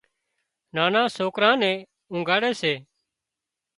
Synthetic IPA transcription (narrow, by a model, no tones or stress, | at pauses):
naːnãːsoːkɾãːnɛ̃ː | ʊ̃ːŋɡaːɽɛːseː